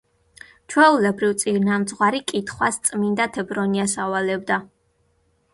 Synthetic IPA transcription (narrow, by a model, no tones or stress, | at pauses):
t͡ʃʰwɛulɛbɾivt̪sʼiɾnamd̪zʁwaɾikʼit̪ʰχwast̪sʼmind̪at̪ʰɛbɾɔniasawalɛbd̪a